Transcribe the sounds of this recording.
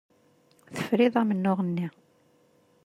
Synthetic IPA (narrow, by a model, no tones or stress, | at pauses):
θə̥fɾɪðˤæmənːʊʁənːi